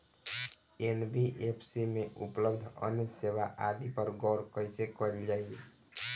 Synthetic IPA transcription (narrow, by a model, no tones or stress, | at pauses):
enbiʔepʰsimeʔṵpləbd̪ʱə̰neseʋaʔad̪ipəɾɡɔɾkəjsekɔeld͡ʒaj